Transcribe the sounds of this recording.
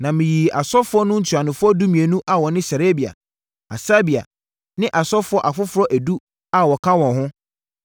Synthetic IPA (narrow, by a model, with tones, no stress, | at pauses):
nã˨mɪ̃˨ji˨a˨sɔ˦fʊ˦ɔ˦nʊ̃˦n̩˨tʰu˨a˨nʊ̃˨fʊ˦ɔ˦du˦mĩ˨e˨nũ˦ʔa˨wɔ˨nɪ̃˦sa˨ɾe˦bi˨a̰˨ | a̰˨sa˦bi˨a̰˨ | nɪ̃˦ʔa˨sɔ˦fʊ˦ɔ˦ʔa˨fʊ˦fʊ˦ɾɔ˦ʔæ˨du˦ | a˦wɔ˨kʰã˦wɔ̃˨ɦʊ̃˦